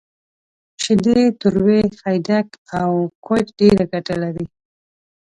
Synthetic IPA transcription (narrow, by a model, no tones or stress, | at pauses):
ʃɪd̪et̪ʊɾwexajd̪akawkʰojkɖeɾaɡaʈalawi